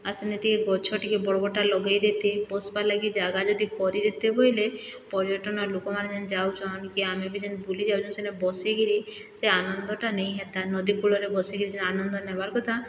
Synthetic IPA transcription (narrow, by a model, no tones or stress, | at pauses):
asenet̪ikeɡɔt͡ʃʰɔʈikebɔɽɔbɔʈalɔɡajd̪et̪epɔspalaɡid͡ʒaɡad͡ʒɔd̪ipɔɾid̪et̪epɔjlepɔɾiɔʈɔnɔlokɔmaned͡ʒɛnd͡ʒawt͡ʃʰɔnkiamebid͡ʒɔnbulid͡ʒawt͡ʃʰɔnsenɛbɔsiɡiɾi | seanɔnd̪ɔʈanej̃ɦɛt̪anɔd̪ikuɭɔɾebɔsiɡiɾid͡ʒnanɔnd̪ɔnɛbaɾkɔt̪a